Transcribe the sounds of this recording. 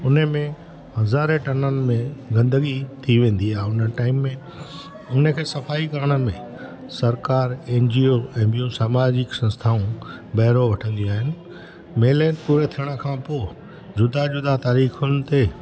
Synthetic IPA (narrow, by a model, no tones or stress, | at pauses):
ʊnəmẽ | hɐzaːɾeʈɐnənɪ̆mẽɡɐ̃nd̪əɡit̪ʰiʋẽːn̆d̪iaːɦeʊnəʈaːɪmːẽ | ʊnəkʰeːsɐfaːikɐɾəɽ̃ə̆mẽ | sɐɾkaːɾẽːnd͡ʑioɛ̃ːbijũsaːmaːd͡ʑɪksɐ̃nst̪ʰaːũbɐɦɪɾoʋɐʈʰə̃nd̪ijũaːɦɪnɪ̆ | meːleːnpuːɾet̪ʰijəɽ̃əkʰãːpoː | d͡ʑʊd̪ad͡ʑʊd̪at̪aːɾiːxʊnɪ̆t̪e